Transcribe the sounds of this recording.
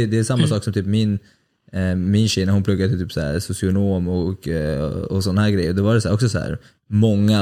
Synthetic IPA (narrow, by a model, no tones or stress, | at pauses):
ɛd̪ɛæsamːasɑːksɔmt̪ʰyːpmɪn | mɪnɕɛjnæɾhʊnpʰlɵɡːad̪ɛt̪ʰyːpsæ̰ːɾsʊsɪʊnoːmɔk | ɔsɔnːahæːɾɡɾɛjːəɾd̪ɔvaɖɛsæːɾɔksɔsɔhæ̰ːɾ | mɔŋːa